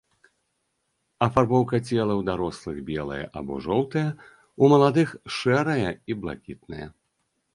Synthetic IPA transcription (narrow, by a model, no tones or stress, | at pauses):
ɐfarbɔwkɐt͡sʲɛlˠɐwd̪aɾɔslˠɨɣbʲɛlˠɐ̰jɐ̰ʔɐ̰bɔ̰ʐɔwt̪ɐjɐ | umɐlˠad̪ɨxʂɛɾɐjɐiblˠa̰kʲit̪̚nɐ̰jɐ̰